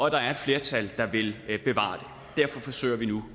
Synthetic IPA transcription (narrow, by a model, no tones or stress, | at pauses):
ɒ̽d̥ɑ̈æɐe̝d̥fle̝ːɐt͡sʰæld̥ɑ̈ʋe̝lb̥e̝ʋɑ̰̈ːd̥e̝ | d̥æɐ̰fɒ̽fɒ̽sø̰ɪɐʋinu